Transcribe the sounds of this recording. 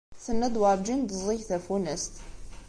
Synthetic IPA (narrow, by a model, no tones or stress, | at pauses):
θənːæd̪wɑˤbd͡ʒind̪əzˤiʝθæfunæst̪